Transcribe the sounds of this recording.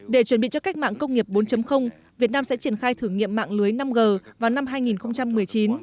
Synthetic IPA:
ɗe˧˩t͡ɕwə˧˩nɓḭ˧˨t͡ɕɔ˧ka˦˥k̚ma̰ː˧˨ŋkə˧wŋ͡mŋi˨˩əp̚ɓo˨˦nt͡ɕə˨˦mxə˧wŋ͡m | vi˨˩ət̚naː˧msɛ̰˧˥t͡ɕi˧˩ənxaː˧jt̪ʰɨ˧˩əŋḭ˧˨əmːa̰ː˧˨ŋlɨ˨˦əjna˧mɣəː˨˩vaː˨˩wna˧mɦaː˧jŋi˨˩nxə˧wŋ͡mt͡ɕa˧mːɨ˨˩əjt͡ɕi˨˦n

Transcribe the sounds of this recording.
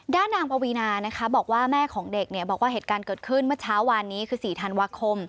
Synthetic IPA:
daː˥˩nːaː˧ŋpa˧wi˧naː˧na˦˥kʰa˦˥bɔː˨˩k̚waː˥˩mɛː˥˩kʰɔː˩˦ŋde˨˩k̚ni˥˩ɐbɔː˨˩k̚waː˥˩ɦeː˨˩t̪̚kaː˧nkɤː˨˩t̪̚kʰɯ˥˩nmɯ˥ɐt͡ɕʰaː˦˥wːaː˧nːiː˦˥kʰɯː˧siː˨˩t̪ʰa˧nwaː˧kʰo˧m

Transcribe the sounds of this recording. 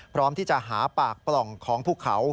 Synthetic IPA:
pʰɾɔː˦˥mt̪ʰiː˥˩t͡ɕa˨˩ʔɦaː˩˦paː˨˩k̚plɔ˨˩ŋkʰɔː˩˦ŋpʰuː˥˩kʰa˩˦w

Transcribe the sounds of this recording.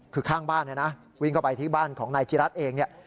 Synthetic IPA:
kʰɯː˧kʰaː˥˩ŋbaː˥˩nːa˧˥˩na˦˥ | wi˥˩ŋkʰa˥˩pa˧jt̪ʰiː˥˩baː˥˩nkʰɔː˩˦ŋnaː˧jt͡ɕi˧ɾa˦˥t̪̚ʔeː˧ŋni˥˩ɐ

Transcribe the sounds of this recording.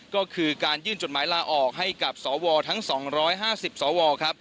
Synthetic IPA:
kɔː˥˩kʰɯː˧kaː˧njɯː˥˩nt͡ɕo˨˩t̪̚maː˩˦jlaː˧ʔɔː˨˩k̚ɦa˥˩jka˨˩p̚sɔː˩˦wɔː˧t̪ʰa˦˥ŋsɔː˩˦ŋɾɔː˦˥jɦaː˥˩si˨˩p̚sɔː˩˦wɔː˧kʰɾa˦˥p̚

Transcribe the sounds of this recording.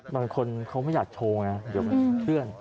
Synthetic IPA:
baː˧ŋkʰo˧nkʰa˦˥wma˥˩jaː˨˩k̚t͡ɕʰoː˧ŋa˦˥di˨˦ma˧n˦kʰɾɯ˥˩ən

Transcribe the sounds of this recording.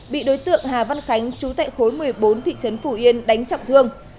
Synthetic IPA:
ɓḭ˧˨ɗo˨˦jt̪ɨ̰˧˨əŋɦaː˨˩va˧nxa˨˦jŋ̟t͡ɕu˨˦t̪a̰ː˧˨jxo˨˦jmɨ˨˩əjɓo˨˦nt̪ʰḭ˧˨t͡ɕə˨˦nfu˧˩ʔi˧ənɗa˨˦jŋ̟t͡ɕa̰˧˨wŋ͡mt̪ʰɨ˧əŋ

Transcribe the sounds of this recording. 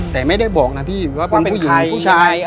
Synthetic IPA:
t̪ɛː˨˩ma˥˩jda˥˩jbɔː˨˩k̚na˦˥pʰiː˥˩waː˥˩pe˧npuː˥˩i˨ŋʰ˧uː˥˩t͡ɕʰaː˧j

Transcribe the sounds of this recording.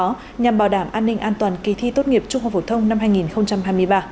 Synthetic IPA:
ɔ˨˦ | ɲa˨˩mɓaː˧˩wɗaː˧˩mʔaː˧nːï˧ŋ̟ʔaː˧nt̪waː˨˩nki˨˩t̪ʰi˧t̪o˦˥t̚ŋi˨˩əp̚t͡ɕʊ˧ŋ͡mha˨˩fo˧˩t̪ʰə˧wŋ͡mna˧mɦaː˧jŋi˨˩nxə˧wŋ͡mt͡ɕa˧mhɦaː˧jmɨ˧əjɓaː˧

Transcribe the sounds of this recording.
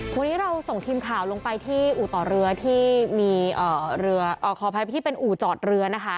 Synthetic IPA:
kʰo˧nːiː˦˥ɾa˧wso˨˩ŋt̪ʰiː˧mkʰaː˨˩˦wlo˧ŋpa˧jt̪ʰiː˥˩ʔuː˨˩t̪ɔː˨˩ɾɯ˧ɐt̪ʰiː˥˩miː˧ʔɤː˨˩ɾɯ˧ɐʔɔː˨˩kʰɔː˨˩pʰa˧jpa˧t̪ʰiː˥˩pe˧nʔuː˨˩t͡ɕɔː˨˩t̪̚ɾɯ˧ɐna˦˥kʰa˦˥

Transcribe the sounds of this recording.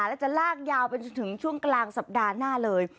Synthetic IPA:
la˨˦˥t͡ɕa˨˧˩laː˧˩k̚jaː˨˧˩wɓe˧˩n˨˧˩t̪ʰɨ˨˩əŋt͡ɕu˧əŋklaː˨˧˩ŋsa˨˩p̚ɗaː˨˩naː˧˩ləː˨˩j

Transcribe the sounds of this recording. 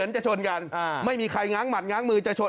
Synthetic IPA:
nt͡ɕa˨˧˩t͡ɕʰo˧nka˧nʔa˧˩ma˥˩jmiː˧kʰa˧jŋaː˦˥ŋma˨˩t̪̚ŋaː˦˥ŋmɯː˧t͡ɕa˧˩t͡ɕʰo˧

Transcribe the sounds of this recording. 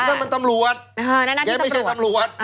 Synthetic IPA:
na˥˩ma˧nt̪a˧mlu˧ə˩t̪̚ːt͡ɕaː˧˥˩a˥˩t͡ɕʰa˧˩t̪a˧mlu˧˥ə˩t̪̚

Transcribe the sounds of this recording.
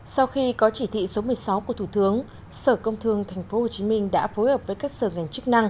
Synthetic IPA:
sa˧wxi˧kɔ˨˦t͡ɕi˧˩t̪ʰḭ˧˨so˨˦mɨ˨˩əjsa˨˦wku˧˩ət̪ʰu˧˩t̪ɨ˨˦əŋ | səː˧˩kə˧wŋ͡mt̪ʰɨ˧əŋt̪ʰɛ˨˩jŋ̟fo˨˦ho˨˩t͡ɕi˨˦ŋmï˧ŋ̟ɗa̰ː˧˥fo˨˦jhəː˨˩p̚vəː˨˦jkaː˦˥k̚səː˧˩ŋa˨˩jŋ̟t͡ɕɨ˦˥k̚na˧ŋ

